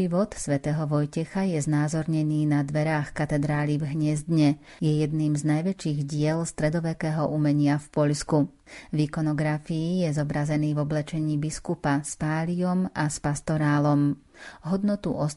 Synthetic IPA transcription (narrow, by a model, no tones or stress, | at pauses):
iʋɔt̪sʋɛt̪ɛːɦɔʋɔjcɛxajɛznaːzɔɾɲɛniːnad̪ʋɛɾaːxkat̪ɛd̪ɾaːlivɦɲɛzd̪ɲɛ | jɛjɛd̪niːmznajʋɛt͡ʃiːɣɟɪɛlst̪ɾɛd̪ɔʋɛkɛːɦɔʔumɛɲɪafpɔʎsku | vikɔnɔɡɾafiːjɛzɔbɾazɛniːvɔblɛt͡ʃɛɲiːbiskupaspaːliɔmʔaspast̪ɔɾaːlɔm | ɦɔd̪nɔt̪ṵʔɔs